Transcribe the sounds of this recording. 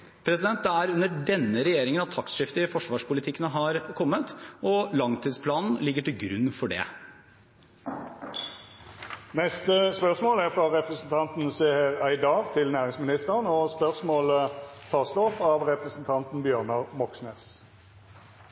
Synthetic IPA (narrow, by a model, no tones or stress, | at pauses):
pʰɾɛsɪd̪ɛnt̪̚d̪ɛæɾʉnːəɖɛnːəɾɛjeːɾɪŋənɑt̪ʰːɑksʂɪft̪əɪfɔʂʋɑːʂpʊlɪt̪ʰɪkːənəɦɑɾkʰɔmːət̪ʔɔlɑŋt̪ʰiːd̪spʰlɑːnn̩lɪɡːəʈɪlɡɾʉ̰nːfɔɖɛ̰ | nɛst̪əspœʁsmoːləæʁfɾɑʁɛpɾɛsn̩t̪ʰɑnt̪n̩seːhəʁæɪd̪ɑːɡt̪ʰɪlnæːʁɪŋsmɪnɪst̪əʁənɔspœʁsmoːlət̪ʰɑːsloːpɑʋʁɛpʁɛsn̩t̪ʰɑnt̪n̩bjøːʁnɑmɔksneːs